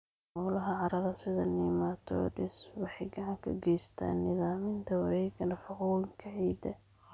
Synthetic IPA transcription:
ɔːlɐɦɐʕɑɾɐðɐsɪðɐnɪmat̪ʰɔ̰ɖɪswɑħɑjɡɑʕɑŋkʰɐ̰ɡɛjst̪ʰa̰ːnːɪðaːmɪnt̪ʰɐwɐɾɛjkʰɐnɐfʊquːwɪŋkʰɐʕiːd̪ɐ

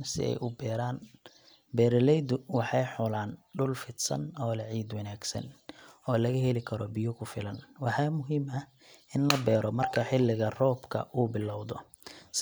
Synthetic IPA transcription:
sɪ̰ɛ̰jʔʊbɛːɾaːn | bɛːɾɐlɛjd̪ʊwɑħɑjħʊlaːnɖʊlfɪd̪sɐ̰nɔːlɐʕiːd̪wɐnaːɡsɐ̰nɔːlɐɣɐɦɛlɪkʰɐɾɔbɪjʊkʰʊfɪlɐnwɑħɑːmʊɦiːmɐh | ʔɪnlɐbɛːɾɔmɐrkʰɐħɪlːɪɣɐrɔːbkʰɐ̰uːbɪlːɔwðɔ | s

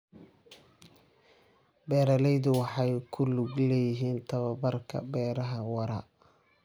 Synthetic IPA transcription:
bɛːɾɐlɛjðʊwɑħɑjkʰʊlʊɡlɛːjɪɦiːnt̪ʰɐβɐbɐrkʰɐ̰bɛːɾɐɦɐwɑɾɐ

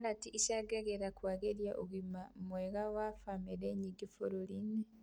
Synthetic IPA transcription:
natiʔiʃaɡeɣeɾakwaɡeɾjaʔuɣimamweɣawafameɾeɲiɡifoɾoline

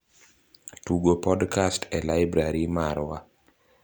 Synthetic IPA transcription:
tuɡopɔdkastʰɛlajbɾaɾimaɾwa

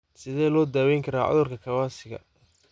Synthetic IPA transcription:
sɪðɛːlɔːd̪aːwɛjŋkʰɐɾa̰ːʕʊ̰ðʊrkʰɐkʰɐwaːsɪɣɐ̰

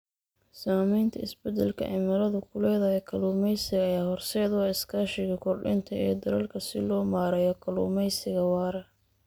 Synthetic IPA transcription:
saːmɛjnt̪ʰɐ̰ɪsbɛd̪ɛlkʰɐ̰ʕɪ̰mɐlɐðʊkʰʊlɛːðɐjɛkʰɐluːmɛjsɪɣɐːaːhɔrsɛːd̪wɑːɪskʰaːʃɪɣɐkʰɔrɖɪ̰nt̪ʰɐɛːd̪ɐɾɐlkʰɐsɪ̰lɔːmaːɾɛjɔkʰɐlṵːmɛjsɪɣɐwɑːɾɐ

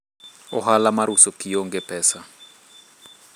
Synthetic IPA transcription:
ɔhalamaɾusɔkʰijɔŋɡɛpʰɛːsa

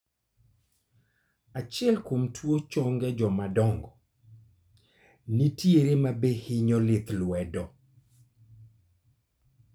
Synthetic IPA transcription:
at͡ʃjɛlkomtwot͡ʃɔŋɡɛd͡ʒɔmadɔŋɡɔ | nitjeɾemabehɪɲɔlɪt̪lwɛdɔ

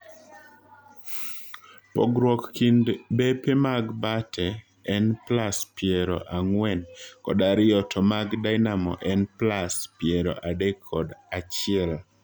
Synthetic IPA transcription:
pɔɡɾwɔkːindbepemaɡbatʰɛː | nplaspɪeɾɔ̰ʔaŋwɛnkɔ̰daɾɪɔtʰɔmaɡdajnamɔ̰ʔɛnplaspjeɾɔ̰ʔadekʰːɔdat͡ʃɪɛl

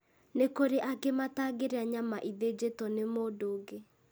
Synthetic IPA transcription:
nekoɾeʔaɡemataɡeɾeaɲamaʔiðed͡ʑetɔnemoːdoːɡe

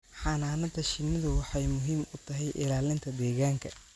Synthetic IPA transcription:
ħɑːnaːnɐd̪ɐʃɪnɪðʊwɑħɑjmʊɦiːmʊt̪ʰɐɦɛjʔɪ̰laːlɪnt̪ʰɐd̪ɛːɣaːŋkʰɐ

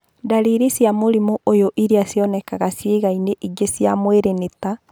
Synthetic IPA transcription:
daɾiɾesjamoɾimoʔojoʔiɾiasjɔnɛkaɣasjeɣaineʔiɡesjamweɾeneta

